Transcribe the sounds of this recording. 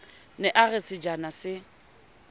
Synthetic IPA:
nɛʔarɪsɪd͡ʒanasɪ

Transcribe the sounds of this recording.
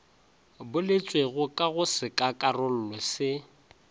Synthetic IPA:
bʊlɪt͡sʼweɣʊkʼaɣʊsɪkʼakʼarʊl̩lɔsɪ

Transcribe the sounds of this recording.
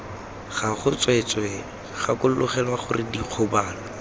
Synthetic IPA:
χaχʊt͡swet͡sʼwɛ | χakʊl̩lʊχɛlwaχʊrɪdiq͡χʰʊbaːlɔ

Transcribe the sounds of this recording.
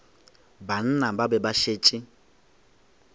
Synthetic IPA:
ban̩nababɛbaʃeːt͡ʃʼɪ

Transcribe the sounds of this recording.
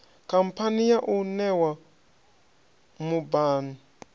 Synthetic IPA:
kʰampʰanijaʔunɛwa | mubaːni

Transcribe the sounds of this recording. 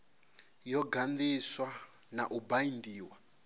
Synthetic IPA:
jɔɡand̪iswa | naʔubaindiːwa

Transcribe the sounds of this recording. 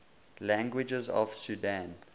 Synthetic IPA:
læ̃ŋɡwɪd͡ʒəzɔ̰v̥sudãn

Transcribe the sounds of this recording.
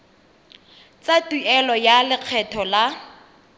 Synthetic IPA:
t͡satuɛlɔjalɪq͡χʰɛtʰɔla

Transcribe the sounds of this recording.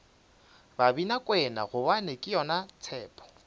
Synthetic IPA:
babinakʼwɛna̰ɣʊbanekʼɪjɔnat͡sʰɛːpʰʼɔ̥

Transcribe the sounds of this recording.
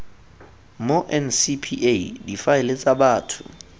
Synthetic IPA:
moʔɛnsipʰiʔedifaɛlet͡sʼaɓaːtʰʊ̰

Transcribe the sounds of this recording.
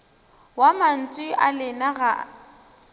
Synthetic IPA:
waman̩t͡sʼwɪʔalɪnaɣa

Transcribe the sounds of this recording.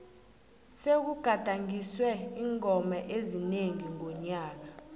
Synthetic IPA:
sek̬uɡ̥ʱad̥ʱaŋiswɛiːŋɔmaʔezineŋiŋɔɲaːk̬a

